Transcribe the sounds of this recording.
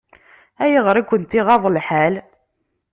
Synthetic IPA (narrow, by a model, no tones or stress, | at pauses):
æjəʁəɾˤikʷːənt̪iʁɑðˤəlħal